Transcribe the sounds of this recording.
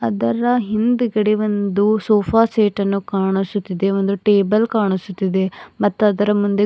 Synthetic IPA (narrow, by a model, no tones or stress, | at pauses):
ɐd̪ɐɾɐɦind̪uɡɐɽeʋond̪usoːpʰaːseːʈɐnːukaːɳusut̪ːid̪e̞ʋond̪uʈeːbɐlkaːɳusut̪ːid̪e̞mɐt̪ːuɐd̪ɐɾɐmund̪e